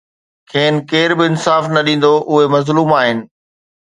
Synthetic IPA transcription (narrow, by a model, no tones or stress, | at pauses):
kʰeːnɪ̆keːɾbɪɪnsaːfnɐɗĩːn̆d̪oʔʊɦemɐzluːmaːɦɪnɪ̆